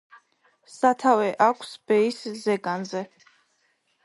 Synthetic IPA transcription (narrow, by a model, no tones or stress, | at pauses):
sat̪ʰavɛʔakʷʰsbɛiszɛɡanzɛ